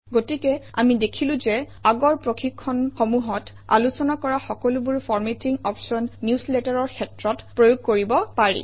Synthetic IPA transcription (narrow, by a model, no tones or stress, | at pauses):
ɡotikɛa̰midekʰilʊ̃zɛ | aɡɔɹpɹoxʰikʰːɔnxomuɦɔt | a̰lusɔnakɔɹaxɔkɔlʊbuɹfʰɔɹmetiŋɔpsɔnːjuslɛtaɹɔɹkʰɛtɹɔtpɹojoɡ̚koɹibɔpaɹḭ